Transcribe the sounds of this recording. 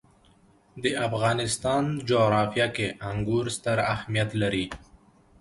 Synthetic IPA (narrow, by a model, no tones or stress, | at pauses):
d̪əʔafɣɑnɪst̪ɑnd͡ʒoɣɾɑfjakeʔaŋɡuɾst̪aɾahmijat̪laɾi